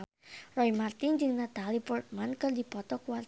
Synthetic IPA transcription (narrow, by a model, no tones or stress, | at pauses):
rɔimart̪ind͡ʒɨŋnat̪alipurt̪̚mankərd̪ipɔt̪ɔkuwar